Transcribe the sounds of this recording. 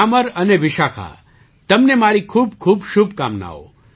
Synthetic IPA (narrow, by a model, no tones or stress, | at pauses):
aməɾəneʋɪʃakʰa̰ | t̪əmnemaɾikʰuːb̚kʰuːbʃʊbkamna̰o̰